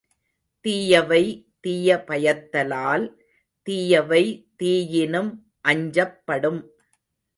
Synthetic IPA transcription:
t̪iːjɐʋɐɪ | t̪iːjɐpɐjɐt̪ːɐlaːl | t̪iːjɐʋɐɪt̪iːjɪnɯm | ʔɐɲd͡ʒɐpːɐɽɯm

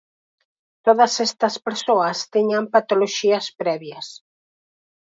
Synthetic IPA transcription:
t̪oðɐsɛst̪ɐspeɾsoɐst̪iɲampat̪oloʃiɐspɾɛβjɐs

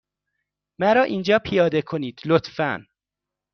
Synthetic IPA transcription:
mæɾɒːʔiːnd͡ʒɒːpʰijɒːd̪e̞kʰoniːd̪̥lot̪fæ̰n

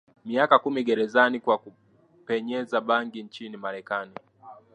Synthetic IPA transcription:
miakakumiɠɛɾɛzanikwaku | pɛɲɛzaɓaŋɡiɲt͡ʃinimaɾɛkani

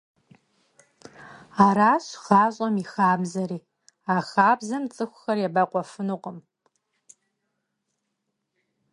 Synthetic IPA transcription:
aːɾaːɕχaːɕʼɐmixaːbzɐɾiː | axaːbzɐmt͡sʼɨxʷʊxɐrjabaqʷʼɔfɨnuqʷʼəm

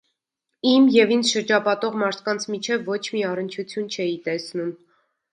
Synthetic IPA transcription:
imjɛvind͡zʃəɾd͡ʒɑpɑt̪ɔʁmɑɾt̪ʰkɑnt͡sʰmit͡ʃʰɛvːɔt͡ʃʰmiɑrənt͡ʃʰut͡sʰjunt͡ʃʰɛjit̪ɛsnum

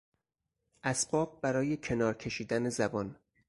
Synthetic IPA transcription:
ʔæsb̥ɒːb̚bæɾɒːje̞cʰe̞nɒːɾcʰe̞ʃiːd̪ænezæbɒːn

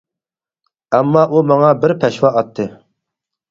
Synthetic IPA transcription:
æmːɑʔumɑŋɑbɪɾpʰɛʃwɑʔɑt̪ʰːɨ

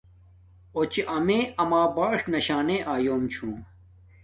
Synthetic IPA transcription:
ot͡ɕiʔɐmẽːɐmaːbaːʂnɐɕaːnẽːʔaːjoːmt͡ɕʰũː

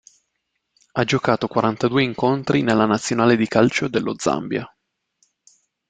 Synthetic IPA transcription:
ad͡ʒokaːt̪okwaɾant̪ad̪uːeiŋkont̪ɾinelːanat̪sːjonaːled̪ikalt͡ʃod̪elːod̪za̰mbja̰

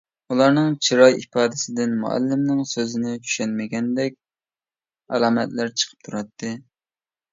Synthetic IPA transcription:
ulˠɑɾnɨŋt͡ʃʰiɾɑjʔipɑːd̪ɪsɪd̪ɪnmṵæ̰lːɪmnɪŋsøzɪnɪt͡ʃʰy̥ʃɛnmɪɡʲɛnd̪ɛk̚ʲ | ɛlˠɑːmɛt̪læɾt͡ʃʰə̥qʰə̥p̚t̪ʰuɾɑt̪ʰːɨ

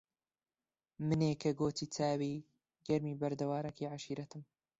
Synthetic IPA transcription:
mɨneːkʰɐɡoːt̪ʰiːt͡sʰaːwiː | ɡɐɾmiːbɐɾd̪ɐwaːɾɐkʰiʕaʃiːɾɐt̪ɨm

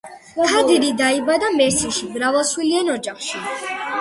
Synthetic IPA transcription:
tʰad̪iɾid̪aibad̪amɛɾsiʃiɡɾavaswilianɔd͡ʒaχʃi

